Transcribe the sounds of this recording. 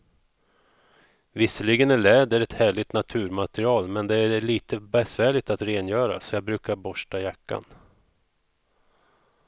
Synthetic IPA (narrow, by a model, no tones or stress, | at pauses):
vɪsːəlɪɡənæɭɛːd̪əɾɛt̪hæːɭɪt̪nat̪ʰʉ̟ːɾmat̪ɾɪɑːlmɛnd̪ɛæɾɭiːt̪əbɛsvæːɭɪt̪at̪ɾeːnjœːɾa̰sɔjɑːɡbɾʉ̟ːkaɾbɔʂʈajakːa̰n